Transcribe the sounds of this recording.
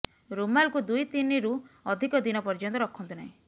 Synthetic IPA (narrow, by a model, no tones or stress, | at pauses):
ɾumalkud̪ujt̪iniɾuɔd̪ʱikɔd̪inɔpɔɾd͡ʒɔnt̪ɔɾɔkʰɔnt̪una̰ĩ